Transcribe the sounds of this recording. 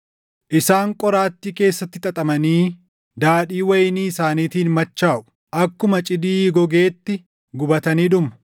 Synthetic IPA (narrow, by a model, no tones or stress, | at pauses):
ʔɪsaːŋkʼɔɾaːt̪ːiːke̞ːsːɐt̪ːɪt̪ʼɐt̪ʼɐmɐniː | d̪aːᶑiːwɐjɪniːsaːniːt̪iːnmɐt͡ʃːaːʔʊ̥ | ʔɐkːʊmɐt͡ʃʼɪd̪iːɡɔɡe̞ːt̪ːɪ | ɡʊbɐt̪ɐniːᶑʊmɐ